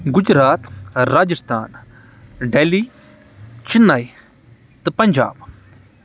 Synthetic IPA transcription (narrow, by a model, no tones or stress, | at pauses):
ɡʊd͡ʒɾaːt̪ɾaːd͡ʒɪst̪ʰa̰ːn | ɖeːliː | t͡ʃɪnːaːj | t̪ɨpɐɲʲd͡ʒa̰ːb